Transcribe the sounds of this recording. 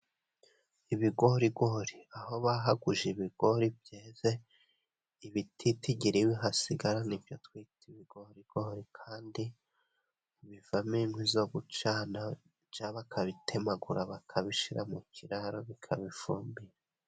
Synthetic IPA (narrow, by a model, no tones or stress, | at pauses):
iβiɡo̞ɾiɡoɾiaho̞βaɦaɡuʒiβiɡ̥o̞ɾibjeːze | iβitʰitiɟiɾiwiɦasiɡaɾanivjo̞twiːtiβiɡ̥oɾiɡ̥oɾikʰaːndi | βiv̥aminwizo̞ːɡut͡ʃaːna | d͡ʒaːβakʰaβitʰe̞maɡuɾaβakʰaβiʃiɾa̰mucʰiɾaɾoβikʰaβifuːmbiɾa